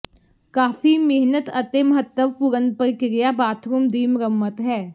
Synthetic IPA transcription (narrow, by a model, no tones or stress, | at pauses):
kaːfimeɦnət̪ɐt̪emɐɦət̪ːəʋpʊɾə̃nd̪̚pəɾkɪɾɪjabaːt̪ʰɾumd̪iːmɾəmːət̪ɦɛː